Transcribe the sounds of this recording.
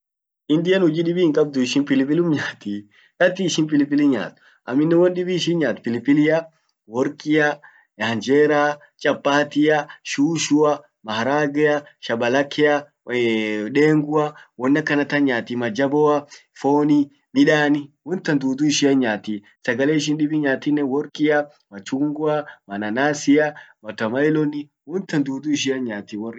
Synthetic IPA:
ʔɪnd̪ɪjɐnhʊd͡ʒiːɗɪbiːɪŋkʼɐb̚d̪ʊɪʃɪnpɪlɪpɪlʊmɲaːt̪i | kɐt̪ːiɪʃɪnpɪlɪpɪlɪɲa̰ːt̪ʊ̥ | ʔɐ̰mːɪnːɛwɔnɗɪbiʃ̬ɪnɲaːt̪pɪlɪpːɪlɪjɐ | wɔɾkʼɪjɐ | ɐnd͡ʒeːɾaː | t͡ʃʼɐpʼːaːt̪ɪjɐʃuːʃʊɐ | mɐhɐɾaːɡɛjɐʃɐbɐlɐkʰːɛɐ | ᶑeːŋɡʊɐwɔnːɐkːɐnɐt̪ɐɲaːt̪imɐd͡ʒɐbɔɐfoːni | mɪᶑaːnɪwɔnt̪ːɐnd̪uːt̪uɪʃɪɐɲːaːt̪i | sɐɡɐleːɪʃ̬ɪnɗɪbɪɲaːt̪ɪnːɛwɔɾkʼɪɐ | mɐt͡ʃuŋɡʊɐmɐnɐnaːsɪɐmɐt̪ɐmɐɪlɔnɪ | wɔnt̪ɐnd̪uːt̪uɪʃ̬ɪɐɲːaːt̪iwɔ

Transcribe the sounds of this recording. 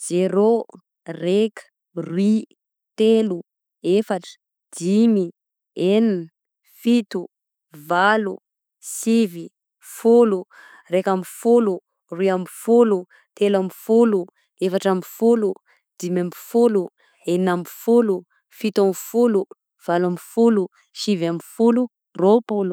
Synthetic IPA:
z̥eɾo | rekə̥ | rwi | t̪elu | efaʈ͡ʂə̥ | d̪̥imi | enin | fit̪u | valu | sivi | fulu | rekamifulu | ruamfulu | t̪elamfulu | tefaʈ͡ʂamifulu | d̪̥imamifulu | eninamfulu | fit̪amfulu | v̥alamifulu | ʃivamifulu | ropulu

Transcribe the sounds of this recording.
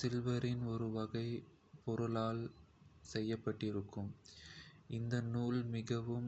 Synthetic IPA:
sɪlʋɐɾɪnɔɾɯʋɐɣɐɪ | pɔɾɯlaːlsɛjːɐpːɐʈːɪɾɯkːɯm | ʔɪnd̪ɐnuːlmɪɣɐʋɯm

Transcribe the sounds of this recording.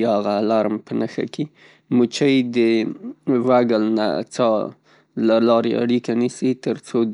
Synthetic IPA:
aɣalaɾmpənəxa̰ke | mut͡ʃəjd̪ə | waɡəlna̰t͡sɑ | lalɑɾḛa̰ɽikanisit̪əɾt͡so

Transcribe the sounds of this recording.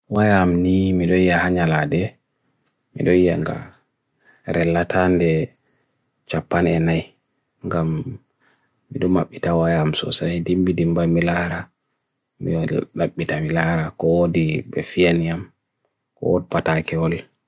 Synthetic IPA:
wajamnimiɗɔjijahaɲaladɛ | mḭɗɔijaŋɡa̰ | ɾɛlːatʰandɛ | t͡ʃapːanɛnaj | ŋɡam | iɗɔma̰ɓːitawajamsɔ̰sajdimbidimbamilaɾa | mḭɔlaɓːitamilaɾakɔwodibɛ̰fianijam | kɔ̰wodipatakɛɔl

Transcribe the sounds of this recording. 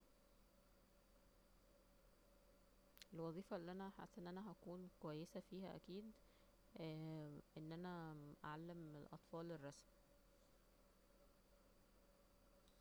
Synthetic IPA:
ʔelwɑðˤiːfɑelːiʔænæħa̰sːʔenːʔænæɦækuːnkowæjːesæfiːhæʔæ̰kiːd̪ | ʔenːʔænæʔaʕalːæmelʔɑ̰t̪ˤfɑːlerˤːɑsm

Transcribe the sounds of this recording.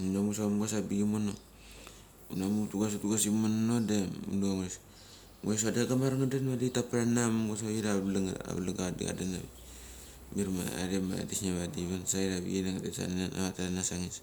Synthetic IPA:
unamusamɡasabiɡimono | unamutuɡas̬otuɡasimonnodeunuaŋos | ŋos̬adaɡamaɾaŋadenmaditapaɾanamamɡasaiɾaβlaŋa̰βlaɡadḭɡa̰danaβi | miɾma̰a̰ɾema̰disnaβadiβansaiɾaβḭɡinaŋadesa̰nana̰βataɾanasaŋis

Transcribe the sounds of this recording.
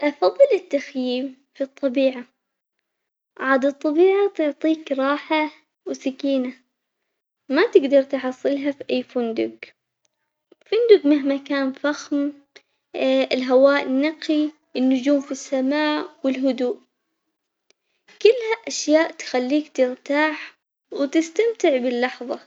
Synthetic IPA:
ʔɑfɑðˤːɨlɪt̪ːaxjiːm | fit̪ˤːɑbiːʕa | ʕaːd̪ɨt̪ˤːɑbiːʕat̪ʊʕt̪ˤiːkɾˤɑːħa | wsakiːna | mat̪ɪɡd̪ɑɾˤt̪ħɑsˤːɨlɦafiʔajːfʊnd̪ʊɡ | fʊnd̪ʊɡmɪɦmakaːnfaxm | ɪlɦawaːʔɪnːɑqi | ʔɪnːʊd͡ʒuːmfisːamaːʔwɪlɦʊd̪uːʔ | kʊlːhaʔaʃjaːʔt̪xalːiːkt̪ɪɾt̪aːħ | wt̪ɪst̪amt̪ɪʕbɪlːɑħðˤɑ

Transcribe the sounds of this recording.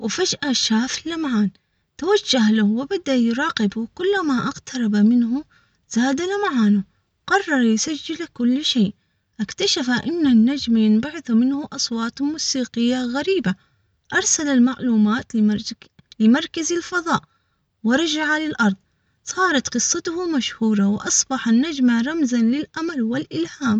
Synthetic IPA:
wɪfad͡ʒʔaʃaːflːamaʕaːn | t̪awad͡ʒːahlahwɪbad̪ajɾˤɑːqɪbkʊlːmaʔaqt̪ʰɑɾˤɑbamɪnɦʊ | z̥aːd̪alamaʕaːnʊ | qɑrˤːɑɾˤjsad͡ʒːɪlkʊlːʃeːʔ | ʔakt̪aʃafaʔɪnːanːad͡ʒmjɪnbaʕɪθumɪnhʊʔɑsˤwɑːt̪ˤmuːsiːqɪjːaɣaɾiːba | ʔɑɾˤsalalmaʕluːmaːt̪ | lɪmɑɾˤkazalfɑðˤɑːʔ | wɪɾˤɑd͡ʒaʕalɪlʔɑɾˤðˤ | sˤɑːɾˤɑt̪qɨsˤːɑt̪ʊhʊmaʃhuːɾˤɑwʔɑsˤbɑħanːad͡ʒmaɾˤɑmzanlɪlʔamalwɪlʔɪlhaːm

